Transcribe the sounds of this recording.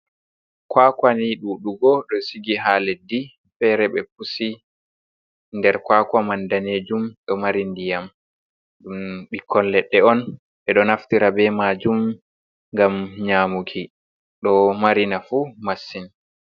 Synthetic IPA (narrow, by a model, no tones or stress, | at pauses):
kwakwaniɗuɗuɡɔɗɔsiɡiɦaledːi | fɛɾɛɓɛpusi | ndɛɾkwaːkwamandaneːd͡ʒumɗɔmaɾindijam | ɗumɓikʰːɔnlɛɗːɛɔn | ɓɛɗɔnaftiɾabɛmaːd͡ʒum | ŋɡamɲaːmukʰi | ɗɔmaɾinafumasːin